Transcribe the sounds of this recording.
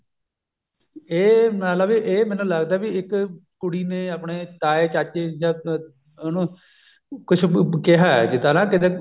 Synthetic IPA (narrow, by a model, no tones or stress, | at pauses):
eːmɛ̃ːt̪ləbiʔeːmɛ̃ːnũːləɡd̪aːbiɪkkʊɽiːneːaːpɳeːt̪aːeːt͡ʃaːt͡ʃeːd͡ʒãː | nũː | kʊt͡ʃʰkɪɦaːɛ̰d͡ʒɪt̪aːnãːkɪt̪eː